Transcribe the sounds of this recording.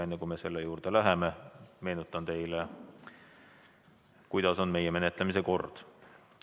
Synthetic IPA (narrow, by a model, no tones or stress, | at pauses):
ɑjnːekujme̞se̞lːejuːɾd̪̥e̞læɦe̞meme̞ːnut̪ːˑɑnt̪e̞jle | kujd̪̥ɑso̞nme̞jːeme̞net̪lemise̞ko̞rd̪̥